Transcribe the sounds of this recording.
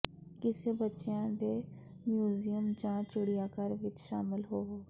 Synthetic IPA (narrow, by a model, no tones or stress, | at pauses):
kɪsebətːʃejãːd̪eː | mjuːzijəmd͡ʒãːt͡ʃʊɽijaːkəɾʋɪt͡ʃʃaːmɪlɦoː